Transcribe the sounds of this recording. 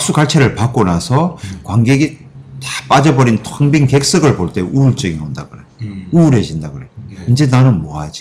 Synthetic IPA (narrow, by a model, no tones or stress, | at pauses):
k̚s͈uɡaɭt͡ɕʰeɾɯɭpak͈onasʰʌkwaŋɡeɡi | tap͈ad͡ʑʌbʌɾintʰʌŋbiŋke̞k̚s͈ɯɡɯɭpoɭt͈e̞uɭt͡ɕ͈ɯɡiondaɡɯɾeuɾed͡ʑindaɡɯɾeind͡ʑe̞nanɯnmʌad͡ʑi̥